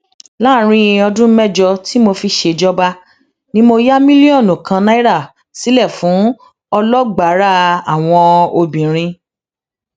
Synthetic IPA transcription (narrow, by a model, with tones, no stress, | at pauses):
la˦˨˦ɾ̃ĩ˦˧ɔ˧dũ˦mɛ˦˨d͡ʒɔ˧ti˨˦mo˧fi˧ʃe˧d͡ʒɔ˦ba˧ | nĩ˦mo˧ja˦mĩ˦li˦ɔ̃˦˨nũ˨kʰã˧na˦i˦ɾa˦˨ | si˨˦lɛ˦˨fũ˨˦ | ɔ˧lɔ˦ɡ͡ba˨˦ɾa˦˨a˨w̃ɔ̃˧o˧bĩ˨ɾ̃ĩ˧